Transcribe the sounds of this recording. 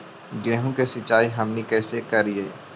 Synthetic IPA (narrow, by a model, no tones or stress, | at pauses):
ɡeːɦõkesɪt͡ʃaːiɦɐmnikɛːsekɐɾieː